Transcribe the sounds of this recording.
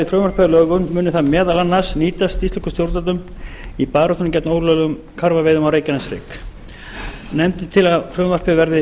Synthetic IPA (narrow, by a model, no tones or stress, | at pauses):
ɪfɾœːmvaɾrpɪðalœːɣʏmmːʏːnʏθaðmjɛːðalanːasniːt̪ast̪ist̪ʏ̥hkʏ̥st̪jowɾt̪at̪ʏmipaːɾot̪ʏnmcɛt̪noːwlœlʏʏm | kʰaɾvavejðʏmawɾeːjcanasɾɪ̰ːk | nɛmt̪ɪt̪ʰɪlaðfɾœːvar̥pɪvɛɾðɪ